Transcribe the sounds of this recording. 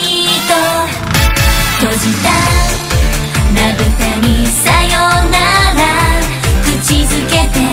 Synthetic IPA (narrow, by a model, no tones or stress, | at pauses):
it̪o | t̪od͡ʑit̪a | naɡɯsaɲisajonaɡakɯt͡ɕizɨket̪e